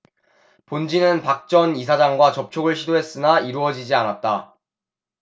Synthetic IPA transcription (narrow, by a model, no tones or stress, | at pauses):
pond͡ʑinɯnpak̚t͡ɕ͈ʌnis̬ʰad͡ʑaŋɡwat͡ɕʌp̚t͡ɕʰoɡɯɭɕʰidoɦe̞s͈ɯnaiɾuʌd͡ʑid͡ʑianat̚t͈a